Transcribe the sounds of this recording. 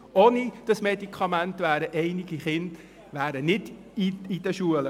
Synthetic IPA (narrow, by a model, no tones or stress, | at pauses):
oːnid̥ɑsmɛd̪ikʰɑmænt̪ʋæːɾəʔɛɪniɡ̥iχɪnd̥ | ʋæːɾənɪd̪ | iid̥̪əʃuələ